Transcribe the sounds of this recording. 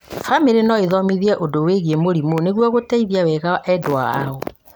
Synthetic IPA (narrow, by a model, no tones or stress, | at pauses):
fameɾenɔeðɔmiðiɛʔodoweɣiemoɾimoneɣwɔɣotɛiðiawɛɣaʔɛdoa̰a̰ɔ